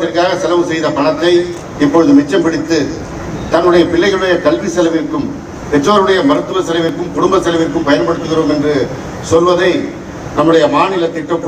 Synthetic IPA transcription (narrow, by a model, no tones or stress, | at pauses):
ɪrkaːɣɐsɛlɐʋɯsɛjðɐpɐɭɐt̪ːɐɪ | ɪpːɔɻɯðɯmɪt͡ʃːɐmpɪɽɪt̪ːɯ | t̪ɐnːɯɽɐjɐpɪlːɐɪɣɐɭɯɽɐjɐkɐlʋisɛlɐʋɪɾkːɯm | pɛt͡ʃːoːɾɯɽɐjɐmɐɾɯt̪ːɯʋɐsɛlɐʋɪrkːɯmkʊɽʊmbɐsɛlɐʋɪrkːɯmpɐjɐnpɐɽɯt̪ːɯɣɪroːmɛndrɯ | sɔlʋɐðɐɪ | nɐmːɯɽɐjɐmaːnɪlɐt̪ːɪʈːɐkː